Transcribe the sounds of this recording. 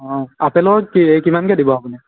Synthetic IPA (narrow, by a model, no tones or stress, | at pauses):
ɦɔ̃apɛlɔkiekimankɛdibɔapuni